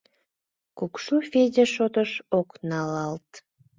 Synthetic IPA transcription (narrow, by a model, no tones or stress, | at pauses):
kukʃufedʲeʃot̪əʃoknɑlɑlt̪